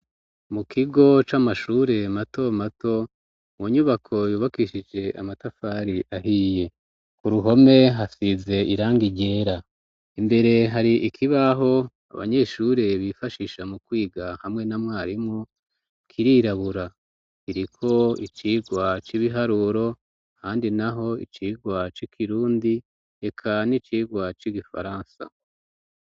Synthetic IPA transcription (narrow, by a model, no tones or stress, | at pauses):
mukʰiɡo̞t͡ʃamaʃuːɾe̞mato̞mato̞ | mwuɲuβakʰo̞juːβakiʃid͡ʒe̞a̰matafaːɾiʔaɦiːje̞ | kuɾuɦo̞me̞ɦasize̞iɾaːŋɡiɟe̞ːɾa | imbe̞ɾe̞ɦaɾiʔikʰiβaɦo̞ | a̰βa̰ɲe̞ːʃuːɾe̞βifaʃiʃamukwiːɡahamŋe̞namŋaːɾimu | kʰiɾiːɾaβuɾa | kiɾikʰo̞it͡ʃiːɡwat͡ʃiβiɦaɾuɾo̞ | haːndinaɦo̞ḭt͡ʃiːɡwat͡ʃikʰiɾuːndi | e̞kʰanit͡ʃiːɡwat͡ʃiɡifa̰ɾaːnsa̰